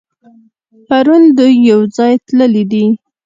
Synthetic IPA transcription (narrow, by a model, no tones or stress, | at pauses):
paɾund̪ujːawd͡zɑjt̪ləlid̪i